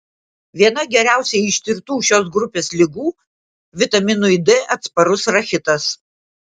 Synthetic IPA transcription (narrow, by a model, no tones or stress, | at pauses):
ʋʲiɛnɐɡʲɛɾʲæˑʊsʲɛɪɪʃʲt̪ʲɪɾt̪uːʃʲoːs̬ɡɾʊpʲeːslʲɪɡuː | ʋʲɪt̪ɐmʲɪnʊɪd̪ɛʔɐt̪spɐɾʊsɾɐxʲɪt̪ɐs